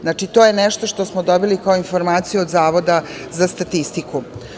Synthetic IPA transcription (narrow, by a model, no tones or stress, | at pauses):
znat͡ʂit̪o̞jenɛʃt̪o̞ʂt̪o̞smod̪obilikaoinfo̞ɾmaːt̪sijuod̪zaːʋo̞d̪a | zast̪at̪ist̪iku